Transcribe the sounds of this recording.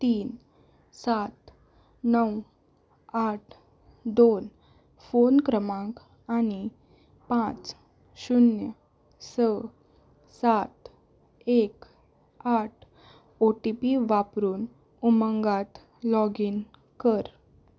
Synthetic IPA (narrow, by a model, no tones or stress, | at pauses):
t̪iːn | sat̪ | nəw | aʈʰ | d̪on | fonkɾəmãk | ani | pãt͡s | ɕunjə | sə | sat̪ | ek | aʈʰ | oʈipiʋapɾuːn | uməŋɡat̪ | lɔɡiːn | kəɾ